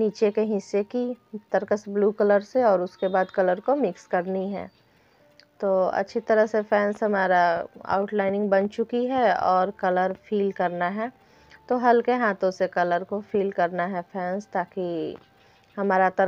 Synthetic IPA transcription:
niːt͡ʃekeɦɪsːekit̪ɐɾkəsbluːkələɾseɔːɾʊskebaːd̪kɐləɾkomɪkskɐɾniɦɛ̰ː | t̪oːɐ̰tːʃʰit̪ɐɾəɦsefʰɛːnsɦɐmaːɾaa̰ːʊʈlaːɪnɪ̃ŋɡbɐnt͡ʃʊkiɦɛɔːɾkɐləɾfʰiːlkɐɾnaɦɛː | t̪oːɦɐlkeɦaːt̪õsekɐləɾkofiːlkɐɾnaɦɛfʰɛːnst̪aːki | hɐmaːɾat̪ɐ

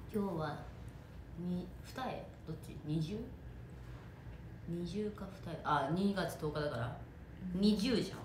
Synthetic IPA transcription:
kʲo̞ːβa | ɲʲiɸɯ̟̥t̪aḛ | d̪o̞t͡ɕḭɲ̟iʑɨː | ɲ̟iʑɨːkaɸɯ̥t̪aeʔaɲ̟ʲiɡat͡sɨ̥t̪o̞ːkad̪akaɾa̰ | ɲ̟iʑɨːʑã̰ŋ

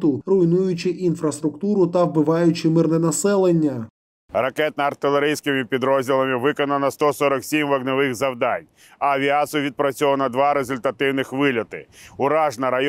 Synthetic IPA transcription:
t̪ʊrʊjnujʊt͡ʃɪʔinfɾɐst̪ɾʊkt̪uɾʊt̪ɐʋbɪʋɑjʊt͡ʃɪmɪrnɛnɐsɛlˠenʲːɐ | rɐkɛt̪̚nɐɐrt̪ɪlˠeɾɪjsʲkɪmʲipʲid̪ɾɔzʲdʲilˠɐmʲɪʋɪkɔnɐnɐst̪ɔsɔɾɐksʲimʋɐɡnɔʋɪɣzɐwd̪ɑnʲ | ɐːʋʲiasʊʋʲid̪̚pɾɐt͡sʲɔʋɐnɐd̪ʋɑɾezʊlʲt̪ɐt̪ɪwnɪxʋɪlʲɐt̪ɪ̰ʊɾɑʒnɐɾɐj

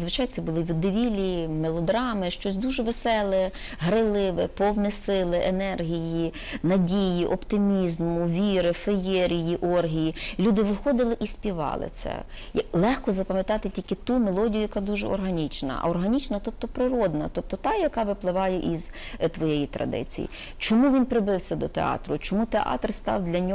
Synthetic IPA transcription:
zʋɪt͡ʃɑjt̪sɛbʊlˠɪʋʲid̪ɪʋʲilʲimelˠɔd̪ɾɑmɪʃt͡ʃɔsʲd̪uʒɛʋesɛlˠɛ | ɦɾɪlˠɪʋɪpɔwnɛsɪlˠɪʔenɛrɦʲijinɐdʲijiʔɔpt̪ɪmʲizmʊʋʲiɾɪfejɛɾʲijiʔɔrɦʲijilʲud̪ɪʋɪxɔd̪ɪlˠɪʔisʲpʲiʋɑ̰lˠɪ̰t̪sɛ̰jɐlˠɛxkɔzɐpɐmʲjɐt̪ɑt̪ɪtʲilʲkɪt̪umelˠɔdʲijʊjɐkad̪uʒɛ̰ɔ̰rɦɐnʲit͡ʃnɐ̰ʔɐ̰ɔrɦɐnʲit͡ʃnɐt̪ɔp̚t̪ɔpɾɪɾɔd̪nɐ̰t̪ɔp̚t̪ɔt̪ɑjɐkɑʋɪplˠɪʋɑjɛʔizt̪ʋɔjejit̪ɾɐ̰d̪ɪ̰t͡sʲḭjḭ | t͡ʃɔmuʋʲinpɾɪbɪwsʲɐd̪ɔt̪ḛɑ̰t̪ɾʊt͡ʃɔmut̪eʔɑ̰t̪rst̪ɑ̰wd̪lʲɐnʲɔ

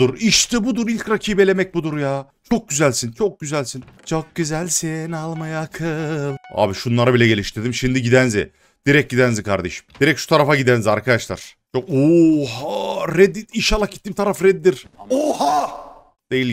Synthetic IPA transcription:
uɾiʃt̪ʰibud̪uɾilʲcɾacʰiːbelʲemɛc̚bud̪uɾjaː | t͡ʃʰo̞k̚ɟyzælʲsint͡ʃʰo̞k̚ɟyzælʲsint͡ʃʰok̚ɟyzælʲsɛnalˠmajaːkʰɯlˠa̰ːbiʃunlˠaɾabilʲɛɟe̞lʲiʃt̪ʰiɾd̪imʃimd̪iɟid̪ænzɪ̰ | d̪̥iɾɛc̚ɟid̪ænzikʰaɾd̪ḛʃi̥md̪iɾɛcʃu̥t̪ʰaɾafaɟid̪ænzaɾkʰad̪aʃlˠa̰ɾ̥ | t͡ʃʰokuhaɾɛd̪iiʃalˠːakcit̪ːiːmt̪ʰaɾafɾɛd̪ːiɾ̥oha | d̪̥ejilʲ

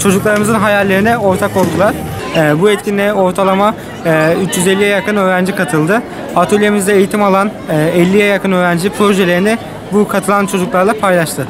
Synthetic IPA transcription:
t͡ʃʰo̞d͡ʒuklˠaɾɯmɯzɯnɦajalʲːe̞ɾinɛo̞ɾt̪ʰako̞lˠd̪ulˠaɾ̥ː | buɛt̪cʰʲinlʲɛo̞ɾt̪ʰalˠamaː | yt͡ʃjyzɛlʲːijɛjakɯnø̞ːɾænd͡ʒikʰat̪ʰɯlˠd̪ɯ | at̪ʰolʲijemizd̪ɛːjit̪ʰimalˠanː | ɛlʲːijɛjakɯnø̞ːɾænd͡ʒipʰɾo̞ʒɛlʲe̞ɾinɪ | bukʰat̪ʰɯlˠant͡ʃʰo̞d͡ʒuklˠaɾlˠapʰajlˠaʃt̪ʰɯ

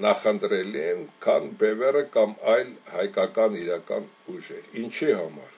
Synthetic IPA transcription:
nɑχənt̪ɾɛliɛnkʰɑ̰nbɛvɛrəkɑmɑjlhɑjkɑkɑniɾɑkɑ̰n | uʒɛɾint͡ʃʰihɑmɑ̰ɾ

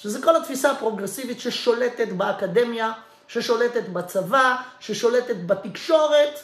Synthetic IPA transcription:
ʃezeko̞lat̪fisapʁo̞ɡʁesivit̪ʃeʃo̞le̞t̪et̪beakad̪e̞mja | ʃe̞ʃo̞le̞t̪et̪bat͡savaʃeʃo̞let̪et̪bat̪ikʃo̞ʁet̪

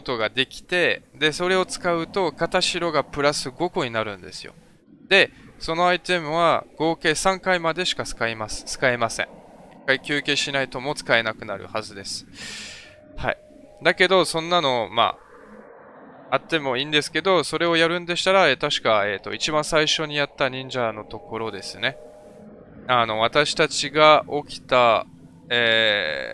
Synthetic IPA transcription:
ot̪oɡad̪e̞kʲi̥t̪e̞d̪e̞so̞ɾe̞o̞t͡sɨ̥kaɯ̟t̪o̞kat̪aɕiɾo̞ɡapɯ̟ɾasɨɡo̞ko̞ɲ̟inaɾɯ̟̃nd̪e̞sɨjo̞̰ | d̪e̞so̞no̞ait̪e̞mɯ̟βaɡ̥o̞ːke̞ːsãŋkaimad̪e̞ɕi̥kasɨ̥kaimasɨ̥t͡sɨ̥kae̞masḛ̃ɴ | ikːaikʲɨːke̞ɕinait̪o̞mo̞t͡sɨ̥kae̞nakɯ̟naɾɯ̟̰hazɨd̪e̞sɨ̥ | ha̰ḭ | d̪ake̞d̪o̞sõ̞nːano̞ma̰ | at̪ːe̞mo̞ĩːnd̪e̞sɨ̥ke̞d̪o̞so̞ɾe̞o̞jaɾɯ̟̃nd̪e̞ɕi̥t̪aɾaeːt̪aɕi̥kae̞t̪ːo̞̰it͡ɕibãɰ̃saiɕo̞ɲ̟ijat̪ːaɲ̟ĩɲ̟d͡ʑano̞t̪o̞ko̞ɾo̞d̪e̞sɨne̞ | ano̞β̞at̪aɕi̥t̪at͡ɕiɡao̞kʲi̥t̪a | eː

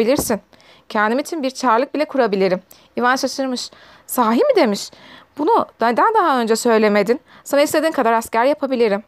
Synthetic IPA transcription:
ilʲiɾsin | cʰɛnd̪imit͡ʃʰinbiɾt͡ʃʰaɾlˠɯk̚bilʲɛkʰuɾabilʲiɾim | ivanʃaʃɯɾmɯʃ | saːɦimid̪e̞miʃb̥unud̪d̪ænd̪aɦaø̞nd͡ʒɛsø̞jlʲe̞me̞d̪in | sanaislʲe̞d̪inkʰad̪aɾascæɾjapʰabilʲiɾim

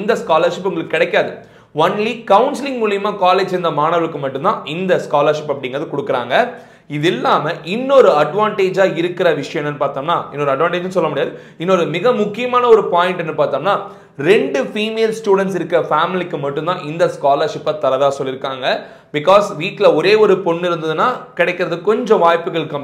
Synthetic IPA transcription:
ɪnd̪ɐskaːlɐɾʂɪpːʊŋɡɐɭɯkːɯkːɪɽɛɪkːaːðɯ | ɐnlikɐʊnslɪ̃ŋɡmuːlɪjɐmaːkaːleːd͡ʒɛnd̪ɐmaːɳɐʋɐɭɯkːɯmɐʈːɯnt̪ãːʔɪnd̪ɐskaːlɐɾʂɪpːɐpːɐɽɪŋɡɾɐðɯkɔɽɯkːɐɾa̰ːŋɡɐ | ɪðɪlːaːmɐʔɪnːɔɾɯɐɖʋaːɳʈeːd͡ʒaːɪɾɯkːɪɾɐʋɪʂɐjɐ̃ɛmːnɛnːɯpaːɾt̪oːŋnaːɪnːɔɾɯɐɖʋaːɳʈeːd͡ʒnsɔlːɐmʊɽɪjaːðɯ | ɪnːɔɾɯmɪɣɐmʊkːɪjɐmaːnɐɔɾɯpaːjɪ̃ɳʈɛnːɯpaːɾt̪aːŋnaː | ɾɛɳɖɯfiːmeːlsʈjuːɽɛɳʈs̬ɪɾɯkːɪɾɐfaːmɪlɪkːɯmɐʈːɯ̃nt̪ãːʔɪnd̪ɐskaːlɐːɾʂɪpːɐt̪ɐɾɐðaːsɔlːɪɾɯkːaːŋɡɐ | bɪkaːsʋiːʈlɐɔɾeːɔɾɯpɔɳːɪɾɯnd̪ɐðɯnːaːkɪɽɛɪkːɪɾɐðɯkɔɲd͡ʒɔ̃ʋaːjpːɯɣɐɭɯkːɐm

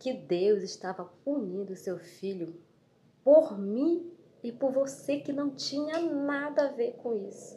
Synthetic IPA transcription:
kɪd̪ewzɪʃt̪avɐuɲĩd̪ʊsewfiʎʊ | poɾmĩ | ɪpoɾvosekɪnɐ̃w̃t͡ʃĩɲɐnad̪ɐaveɾkõisʊ̥

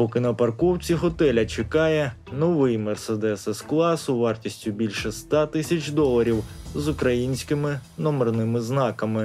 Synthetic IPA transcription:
pɔkɪnɐpɐrkɔwt͡sʲiɦɔt̪ɛlʲɐt͡ʃekɑjɛ | nɔʋɪjmɛrsed̪ɛsɛsklˠɑsʊʋɑrtʲisʲtʲʊbʲilʲʃɛst̪ɑt̪ɪsʲɐt͡ʃʲd̪ɔlˠɐɾʲiwzʊkɾɐjinʲsʲkɪmɪnɔmernɪmɪznɑkɐmɪ

